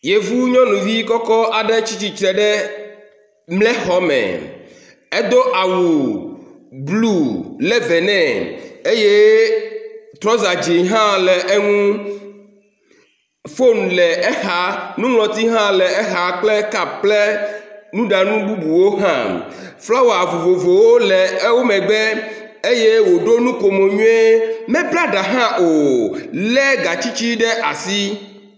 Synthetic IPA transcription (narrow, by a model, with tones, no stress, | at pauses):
je˨vu˦ɲɔ̃˦nũ˨vi˦kɔ˦kɔ˦a˨ɖɛ˦t͡ɕi˦t͡ɕi˦t͡ʃɾɛ˨ɖɛ˦ | mlɛ˦xɔ˦mɛ̰̃˨ | ɛ˦d̪o˦ʔa˨wu˨ | blu˦lɛ˦vɛ˨nɛ̃˦˨e˦je˦ | t̪ɾɔ˦za˨d͡ʒi˨ɦã˦lɛ˨ʔɛ˦ŋũ˦ | fo˦n˨lɛ˨ɛ˦xa˨˦nũ˦ŋlɔ˨t̪i˦ɦã˦lɛ˨ɛ˦ɦa˨k͡plɛ˦ka˨k͡plɛ˦nũ˦ɖa˨nũ˦bu˦bu˨wo˦ɦã̰˦˨ | fla˦wo˨a˨vo˨vo˨vo˨wo˦lɛ˨˦wo˦mɛ̃˨ɡ͡bɛ˦ | e˦je˦wo˨ɖo˦nũ˦ko˨mo˨ɲũ˦e˦mɛ̃˦plɛ˦a˨ɖa˨ɦã˦ʔo˨lɛ˦ɡa˨t͡ɕi˦t͡ɕi˦ɖɛ˦ʔa˨si˦